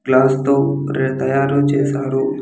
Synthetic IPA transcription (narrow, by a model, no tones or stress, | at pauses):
ɡlaːst̪oː | ɾet̪ɐjaːɾoːt͡ʃeːsaːɾu